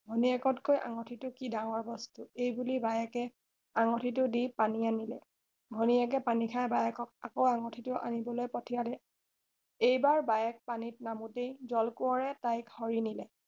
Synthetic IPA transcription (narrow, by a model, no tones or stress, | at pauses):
ɡʱɔniɛkɔtkojʔa̰ŋɔtʰitʊkidaŋɔɹbɔstuejbulibajɛkɛ | aŋɔtʰit̬ʊdipanianilɛ̰ | ɡʱɔniɛk̬ɛpanikʰajbajɛkɔk̚akowaŋɔtʰitʊʔa̰nibɔlojpɔtʰijalɛ | ejbaɹbajɛk̚panit̚namutejzɔlkʊɔɹɛtajkhɔɹinilɛ